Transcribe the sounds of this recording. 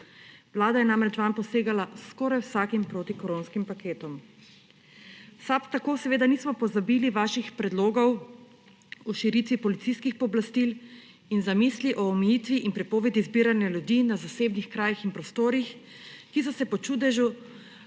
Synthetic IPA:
ʋlaːd̪ajɛnamɾɛt͡ʃʋampɔseːɡalaskɔɾajwsaːkimpɾoːt̪ikɔɾoːnskimpakeːt̪ɔm | sapt̪akoːsɛʋeːd̪aniːsmɔpɔzabiːliʋaːʃixpɾɛd̪loːɡɔw | ɔʃiɾiːt̪ʋipɔlit̪siskixpɔblast̪il | inzamiːsliʔɔːmɛjiːt̪ʋiʔinpɾɛpɔːʋɛd̪izbiːɾanjaljud̪iːnazaseːbnixkɾaːjixinpɾɔst̪oːɾix | kisɔsɛpɔt͡ʃuːd̪ɛʒu

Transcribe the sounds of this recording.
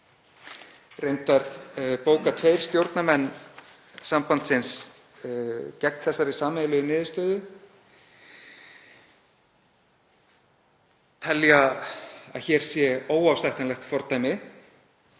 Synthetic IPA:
rejnt̪aɾpoːwkat̪ʰveːjɾ̥st̪jowɾt̪namɛnː | sampant̪sɪns | cɛk̚nθɛsːaɾisaːmelʏðʏnɪːðɪst̪œːðʏ | t̪ʰɛlja | aðçɛːɾ̥sjɛoːwawfst̪ajht̪anlɛxt̪fɔɾt̪aːjmɪ

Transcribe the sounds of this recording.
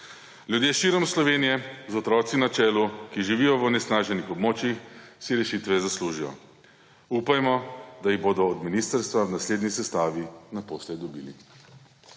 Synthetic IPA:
lʲjud̪jeːʃiɾɔmslɔʋeːnijɛzɔt̪ɾɔːt̪sinat͡ʃɛːlukiʒiʋijɔʋnɛsnaːʒɛnixɔbmoːt͡ʃjixsiɾɛʃit̪ʋɛzasluʒijɔ̰ | upajmɔd̪ajiɣboːd̪ɔːd̪minist̪əɾst̪ʋaʋnasleːd̪nisɛst̪aːʋinapoːslɛd̪ɔbḭːlḭ

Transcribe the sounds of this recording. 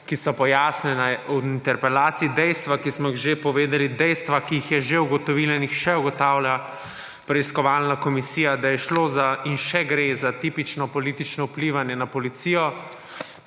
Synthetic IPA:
kisɔpɔjaːsnɛnauint̪ɛɾpɛlaːt̪siːd̪ɛjst̪ʋakismɔiɣʒepɔʋeːd̪ɛlid̪ɛjst̪ʋakiːixjɛʒeuɡɔt̪ɔʋiːlainixʃɛuɡɔt̪aːwla | pɾɛiskɔʋaːlnakɔmisijad̪ajɛʃloːzainʃɛɡɾezat̪iːpit͡ʃnɔpɔlit̪it͡ʃnɔupliːʋanjɛnapɔlit̪siːjɔ

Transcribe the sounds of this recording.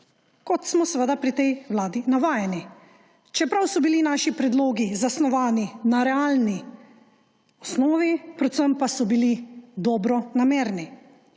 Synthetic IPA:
kɔt̪smɔsʋəd̪apɾit̪ɛjʋlaːd̪inaʋaːjɛni | t͡ʃɛpɾawsɔbilinaːʃipɾɛd̪loːɡizasnɔʋaːninaɾɛaːlni | ɔsnɔːʋipɾɛt̪səmpasɔbilid̪ɔːbɾɔnameːɾni

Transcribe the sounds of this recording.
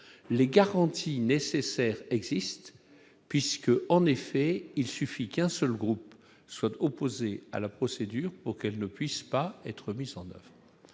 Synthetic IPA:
leɡaʁɑ̃t̪ʰinesesɛːʁɛɡzist̪ | pɥiskəʔɑ̃nefɛilsyfikɛ̃sœlɡʁup | swat̪ɔpozea̰lapχɔsed̪yːʁpuʁkɛlnəpɥispaɛ̰t̪χəmizɑ̃nœ̰vʁə

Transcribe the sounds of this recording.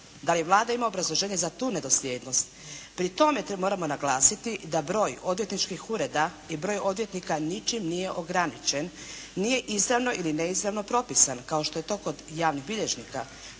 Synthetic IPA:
d̪aliʋlˠaːd̪aimaobɾazlˠo̞ʒeːɲe̞zat̪uːne̞d̪o̞slʲe̞ːd̪no̞st̪pɾit̪o̞me̞t̪mo̞ːɾamo̞naɡlaːsit̪id̪abɾo̞ːjo̞d̪ʋje̞t̪nit͡ʃkixuɾe̞d̪a | ibɾo̞ːjo̞d̪ʋje̞t̪nikanit͡ʃimnije̞ʔo̞ɡɾanit͡ʃe̞nː | ije̞ʔizɾaʋno̞ʔilineizɾaʋno̞pɾo̞pisankaoʃt̪o̞je̞t̪o̞ːko̞d̪jaːʋniɣbiʎe̞ʒnika̰

